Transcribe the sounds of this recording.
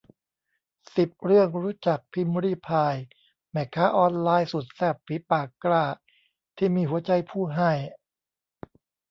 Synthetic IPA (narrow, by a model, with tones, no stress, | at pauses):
si˨˩p̚ɾɯ˥˩əŋɾuː˦˥t͡ɕa˨˩k̚pʰi˧m˧ɾiː˥˩pʰaː˧j | mɛː˨˩kʰːaː˦˥ʔɔː˧nlaː˧jsu˨˩t̪̚sɛː˥˩p̚fi˨˦paː˨˩kːlaː˥˩ | t̪ʰiː˥˩miː˧hu˩˦ɐt͡ɕa˧jpʰuː˥˩ɦa˥˩j